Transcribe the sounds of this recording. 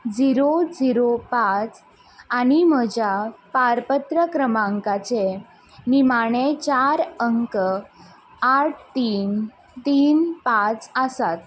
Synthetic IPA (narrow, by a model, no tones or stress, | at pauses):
d͡ziɾod͡ziɾopat͡s | aɽim̤əd͡ʑjapaɾpət̪ɾəkɾəmaŋkat͡se | nimaɽ̃et͡ɕaɾəŋkə | aʈ̚ʰt̪iːn | t̪iːnpãt͡səsat̪̚